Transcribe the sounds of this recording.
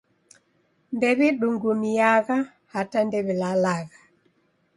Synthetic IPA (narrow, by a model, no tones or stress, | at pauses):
ndɛβiɗuŋɡumiaɣa | hatandɛβilalaɣa